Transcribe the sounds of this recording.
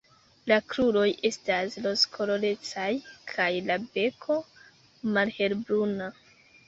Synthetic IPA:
lakɾuɾo̞jʔe̞staslo̞skʰo̞lo̞le̞t͡sajkʰajlabe̞kʰo̞ | malhe̞lbɾuna

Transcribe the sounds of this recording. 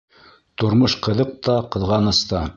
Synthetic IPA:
t̪ŏɾmoʃqɤ̆ðɤq̚t̪ɑqɤ̆ðʁɑnɤ̆st̪ɑ

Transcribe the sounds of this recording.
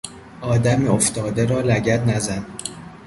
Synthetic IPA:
ʔɒːd̪æmeoft̪ɒːd̪eɾɒːlæɟæt̪næzæn

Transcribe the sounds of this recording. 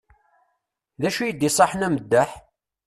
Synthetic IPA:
ðæʃujəd̪ːisˤɑħnæməd̪ːæħ

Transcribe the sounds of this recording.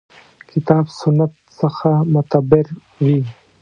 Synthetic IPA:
kʰɪt̪ɑːbsʊnːat̪səxamʊt̪abɪɾ | wi

